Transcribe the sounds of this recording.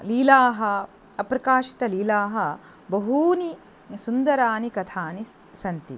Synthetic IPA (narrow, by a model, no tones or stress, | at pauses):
liːlaːɦɐ | ɐpɾɐkaːʃi̥t̪ɐliːlaːɦɐ | bɐɦuːni | sund̪ɐɾaːnikɐt̪ʰaːni | sɐnt̪ḭ